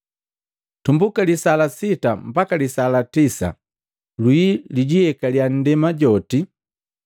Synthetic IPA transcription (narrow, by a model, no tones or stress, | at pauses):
tumbukalisalasitam̩bakalisalatisa̰ | lwiliɟiɛkaljan̩dɛmaɟɔti